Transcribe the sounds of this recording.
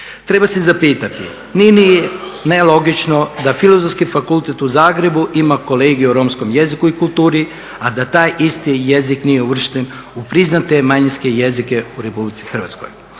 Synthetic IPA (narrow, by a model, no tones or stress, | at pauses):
t̪ɾe̞basezapiːt̪at̪ḭ | nininelˠo̞ɡit͡ʃno̞d̪afilˠozofskifakulˠt̪et̪uzaːɡɾe̞buʔimako̞le̞ːɡiuɾo̞msko̞mjezikuikulˠt̪uːɾi | ad̪at̪aːjʔist̪ije̞ziknije̞uʋr̩ʃt̪en | upɾiznat̪e̞maɲinske̞je̞zike̞uɾe̞publit̪sixr̩ʋat̪sko̞̰j